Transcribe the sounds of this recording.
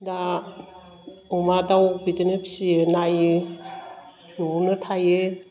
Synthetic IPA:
da | ɔmadawbitenepʰsienaj | nnɯtʰaje

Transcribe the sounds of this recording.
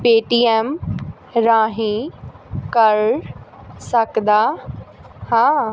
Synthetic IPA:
peːʈiːem | ɾãːɦĩ | kɐɾ | sɐkd̪aː | hãː

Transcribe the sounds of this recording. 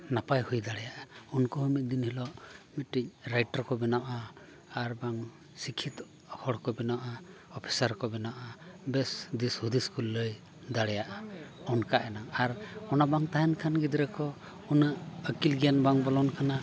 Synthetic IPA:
napajhujd̪aɽɛjaʔaunkɔɦumit̪̚ˀd̪inhilɔʔmit̪ʈicɾajʈaɾkɔbɛnaʔa | aɾbaŋ | sikʰit̪ | hɔɽkɔbɛnaʔa | ɔpʰi̥saɾkɔbɛnaʔabɛsd̪ishud̪iskulːəj | d̪aɽɛjaʔaɔnkaʔɛnaŋaɾɔnabaŋt̪aɦɛnkʰanɡid̪ɾɛkɔ | unaʔəkilɡijanbaŋbɔlɔnkʰana

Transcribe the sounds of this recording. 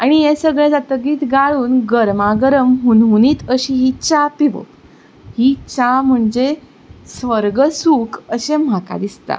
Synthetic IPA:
aɽ̃ijẽsəɡɭẽd͡zat̪əɡiːt̪ɡaɭuːnɡəɾmaɡəɾəmɦunɦuniːt̪əɕiɦit͡ɕapiʋə̰ | hit͡ɕam̤əɳd͡ʑe | sʋəɾɡəsukəɕem̤aka̰d̪ist̪a̰

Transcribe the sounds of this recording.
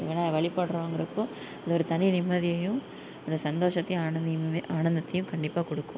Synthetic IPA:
ɯʋɐnːaːɐʋɐɭɪpːɐɽɯɾõːŋɡɪɾɐpːoː | ɐðɯɔɾɯt̪ɐnɪnɪmːɐðɪjɐjʊ̃ | ɔɾɯsɐnd̪oːʂɐt̪ːɐːɐaːɳɐnd̪ɐt̪ːɐjɯ̃kɐɳɖɪpːaːkɔɽɯkːʊ̃

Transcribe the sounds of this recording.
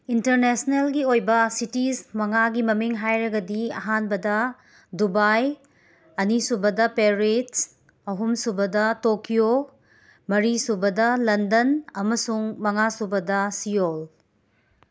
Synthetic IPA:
inteɾnesnelɡiojbɐsitismɐŋaɡimɐmiŋɦajɾɐɡɐdiɐ̰ɦanbɐdɐ | dubaj | ɐnisubɐdɐpeɾit | ɐɦumsubɐdɐtokijo | mɐɾisubɐdɐlɐndɐnɐmɐsuŋmɐŋasubɐdɐsijol

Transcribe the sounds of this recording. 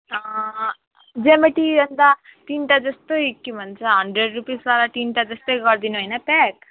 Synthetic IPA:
d͡ʒemeʈiɐnd̪aʈiːnʈad͡ʒɐst̪uikːimɐnt͡ʃaɦɐɳɖɾeɖɾupiːsaːɾɐʈiːnʈɐd͡ʒɐst̪eɡaɽd̪iniʋɐjnɐpɛk

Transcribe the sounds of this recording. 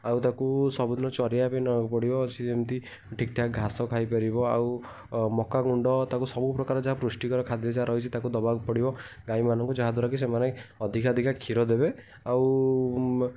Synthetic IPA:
awt̪akusɔbud̪nɔt͡ʃɔɾjapajnɔpɔɽibɔt͡ʃʰiemt̪i | ʈʰik̚ʈʰakɡʱasɔkʰajpaɾibɔa̰w | mɔkaɡuɳɖɔt̪akusɔbupɾɔkaɾɔd͡ʒaɦapɾusʈikɔɾɔkʰad̪iɔd͡ʒaɦaɾɔɦit͡ʃʰit̪akud̪ɔbaɡpɔɽibɔɡaimanɔŋkud͡ʒaɦad̪ʱuɾɔkis̬emaneɔd̪ʱikad̪ʱikakʰiɾɔd̪ebe | aw

